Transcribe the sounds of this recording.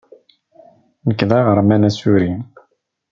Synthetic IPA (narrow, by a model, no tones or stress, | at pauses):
nəkːðæʁəɾˤmænæsuɾi